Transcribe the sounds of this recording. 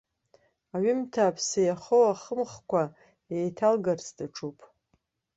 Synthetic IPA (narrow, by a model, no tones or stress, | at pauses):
aɥimtʰaːpʰsajaχowaχəmχkʷa | ejtʰalɡarsdaʈ͡ʂʰupʼ